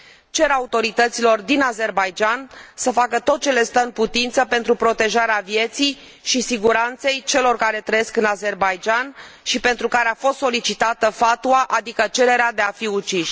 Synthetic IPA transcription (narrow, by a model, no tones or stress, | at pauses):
t͡ʃe̞ɾaut̪o̞ɾit̪ət̪silo̞rd̪inaze̞rbajd͡ʒansəfakət̪o̞t̪̚t͡ʃe̞le̞st̪əɨnput̪int̪səpe̞nt̪ɾupɾo̞t̪e̞ʒaɾeavje̞t̪sij | ʃisiɡuɾant̪se̞jt͡ʃe̞lo̞rkaɾe̞t̪ɾəje̞skɨnaze̞rbajd͡ʒanʃipe̞nt̪ɾukaɾeafo̞st̪so̞lit͡ʃit̪at̪əfat̪uaʔad̪ikət͡ʃe̞ɾe̞ɾead̪e̞afiut͡ʃiʃ